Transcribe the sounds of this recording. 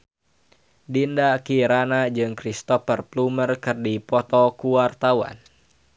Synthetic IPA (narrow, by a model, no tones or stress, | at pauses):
dindakiɾanad͡ʒɨŋkɾist̪ɔfərplumərkɨrdipɔt̪ɔkuwart̪awa̰n